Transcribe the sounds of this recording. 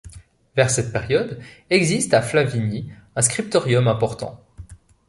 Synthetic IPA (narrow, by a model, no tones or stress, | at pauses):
vɛʁsɛt̪̚pɛʁjɔd̪ɛɡzist̪aflaviniɛ̃skχip̚t̪ɔʁjɔmɛ̃pɔʁt̪ɑ̰̃